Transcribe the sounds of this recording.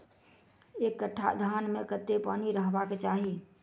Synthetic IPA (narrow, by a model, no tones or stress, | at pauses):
ekːəʈʰːa̰d̪ʱanmekət̪ːepaːniɾəɦbaket͡ʃaɦi